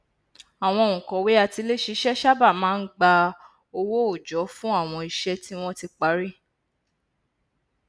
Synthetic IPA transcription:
a˨w̃ɔ̃˧˨ũ˨kɔ̃˨we˨˦a˧ti˧le˦ʃi˧ʃɛ˦ʃa˦ba˦˨mãː˦n̩˦ɡ͡ba˧ | o˧wo˦o˦˨d͡ʒɔ˨˦fũ˦a˦˨w̃ɔ̃˧i˨ʃɛ˧ti˦w̃ɔ̃˦ti˧k͡pa˨˦ɾi˦˨

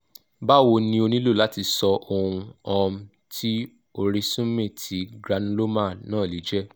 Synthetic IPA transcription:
ba˦˨wo˧nĩ˧o˧nĩ˦lo˦˨la˨˦ti˧sɔ˧ʔo˧ũ˧ɔ̃˧m̩˦ | tʰi˦ | o˧ɾi˧sũ˦mẽ˦˨tʰi˨˦ɡɾa˨˧n˦lo˦mã˦˨nãː˦˨li˨˦d͡ʒɛ˦

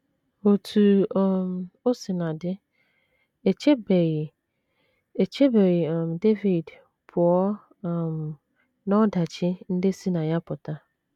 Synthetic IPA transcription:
o˨tʰu˨ɔ˨mo˦sɪ˨nã˨dɪ˦ | e˨t͡ʃʰe˦be˨ | e˨t͡ɕʰe˦be˨ja˨m˨de˦vi˨d | pʰʊ˨ɔ˦˨ | m | nɔ̃˦da˨t͡ʃʰɪ˦n̩˦de˦si˦nã˨ja˦pʰʊ˨tʰa˦

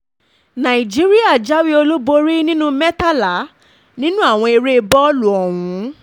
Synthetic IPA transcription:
nã˨i˨d͡ʒi˦ɾi˦a˦˨d͡ʒa˦wi˦o˧lo˦bo˧ɾi˦nĩ˦nũ˦mɛ˦ta˦la˨˦ | nĩ˦nũ˦a˦˨w̃ɔ̃˧e˧ɾe˦˧bɔ˦lu˨ɔ˨wũ˨˦

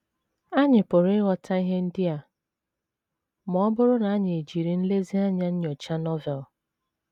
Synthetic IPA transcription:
a˦ɲɪ˨pʊ˨ɾɪ˦ɣɔ˦tʰa˦i˦ɦe˦n̩˦dɪ˦a˨ | mɔ˨ɔ˦bʊ˦ɾʊ˦na˨a˦ɲɪ˨e˨d͡ʒi˨ɾi˨n̩˦le˦zi˦a˦ɲa˦ɲ̩˦ɲɔ˨t͡ʃa˦nɔ˦vɛ˨l

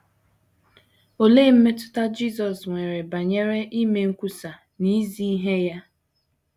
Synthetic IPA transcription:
o˨le˦˨m̩˦me˦tʊ̥˦ta˦d͡ʒi˦zɔ˨sŋʷe˨ɾe˨ba˨ɲe˦ɾe˦ʔi˦me˦ŋ̩˦kʷu˦sa˨ | ni˦zi˦i˦ɦe˦ja˦

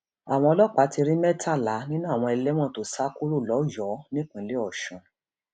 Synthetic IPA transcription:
a˨w̃ɔ̃˧lɔ˦˨k͡pa˨˦ti˧ɾi˦mɛ˦tʰa˦˨la˨˦nĩ˦nũ˦˨w̃ɔ̃˧ɛ˧lɛ˦m̃ɔ̃˦˨to˨sa˦ku˦ɾu˦˨lɔ˨˦jɔ˨˦nĩ˦k͡pã˨˦le˦ɔ˦˨ʃɔ̃˨

